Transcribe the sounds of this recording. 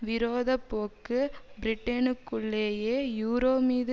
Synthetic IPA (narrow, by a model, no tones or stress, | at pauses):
ʋɪɾoːðɐpːoːkːɯbɪɾɪʈːenɯkːʊɭːeːjeːjuːɾoːmiːðɯ